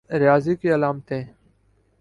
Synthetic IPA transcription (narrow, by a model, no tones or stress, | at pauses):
ɾjaːzikiɐlaːmt̪ẽː